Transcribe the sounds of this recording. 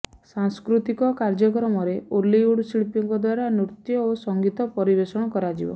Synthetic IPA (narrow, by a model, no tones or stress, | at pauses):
saŋskɾut̪ikɔkaɾd͡ʒɔkɾɔmɔɾeʔoliuɽsiɭipiŋɡɔd̪waɾanuɾt̪jɔosɔŋɡit̪ɔpɔɾibesɔɽ̃ɔkɔɾad͡ʒḭbɔ̰